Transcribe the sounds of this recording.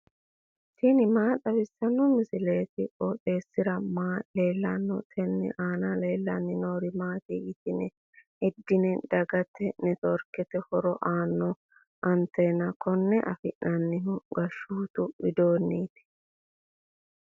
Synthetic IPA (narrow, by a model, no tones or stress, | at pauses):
tinɪmaːt̪ʼɐbɪsːɐnːɔmɪsɪle̞ːt̪ɪʔʼɔtʼe̞ːsːɪɾɐmaːle̞ːlːɐnːɔ̰t̪ʰɛnːɛ̰ʔaːnɐle̞ːlːɐnːɪnoːɾɪmaːt̪iɡɪt̪ɪnɛ | ɛd̪ːɪnɛd̪ɐɡɐt̪ːɛnɛt̪ɔɾkɛt̪ɛhɔɾɔʔaːnːɔ | ʔɐnt̪enɐkɔnːɛʔɐfɪʔɐnːɪɦʊɡɐʃːuːt̪ʊbɪd̪oːnːiːt̪ɛ̥